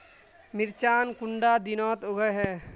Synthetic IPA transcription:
mɪɾt͡ʃaːnkʊɳɖaːd̪inɔːt̪oɡəjɦɛː

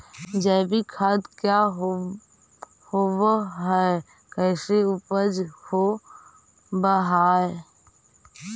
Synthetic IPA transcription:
d͡ʒəːbʱikʰad̪kjaɦ | howɦɛ | kɛɪseʊpəd͡ʒho | bəɦaːe

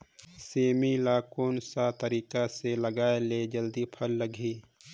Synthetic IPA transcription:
seːmilaːkoːnsat̪əɾiːkaseləɡaːeled͡ʒəld̪ipʰəlːəɡʱiː

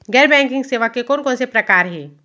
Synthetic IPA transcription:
ɡɛːɾbɛ̃ːŋkɪ̃ŋɡseːʋakekɔːnkɔ̃ːnsepɾɐkaːɾɦɛː

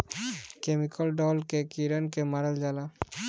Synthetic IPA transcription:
kemikʰɔlɖɔlkekiɾankemaɾald͡ʒala

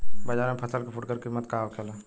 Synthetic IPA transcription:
bɐd͡ʒaːɾmẽpʰɐsəlkefʰʊʈkəɾkɪsmət̪kaːwkʰela

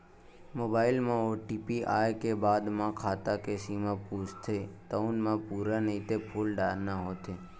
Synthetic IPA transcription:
mobailmãoʈipiʔa̰jkebaːd̪mãkʰat̪akesimãpust̪ʰet̪əunmãpuɾanəit̪epʰulɖaːɾnaɦot̪ʰe

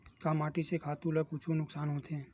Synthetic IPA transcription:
kaːmaːʈisekʰaːt̪ũləkʊt͡ʃʰunʊksaːnɦõt̪ʰẽː

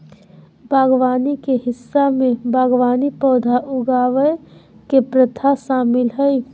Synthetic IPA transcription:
bʱaːɡʋaːnikeɦɪsːamẽbʱaːɡʋaːnipɔːd̪ʱaʔʊɡaːʋəjkepɾət̪ʰaʃaːmɪlɦəj

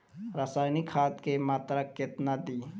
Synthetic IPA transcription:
ɾaːsaːjnikʰat̪kemaːt̪ɾəket̪nad̪i

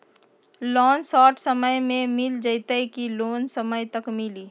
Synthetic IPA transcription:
lɔːnsɔːʈʰsəməjmẽmɪld͡ʒəɪt̪əjkiloːnsəməjt̪əkmɪliː

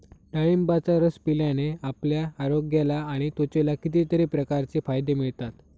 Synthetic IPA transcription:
ɖəɭimbat͡saɾəspiljaneapljaːɾoɡjelaːɽ̃it̪ot͡ɕelakit̪̬it̪əɾiːpɾəkaɾt͡sefajd̪emiɭt̪at̪

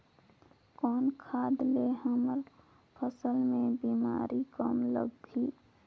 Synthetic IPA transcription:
kɔːnkʰaːd̪leɦəməɾ | pʰəsəlmẽbiːma̰ːɾikəmlə̰ɡɡiː

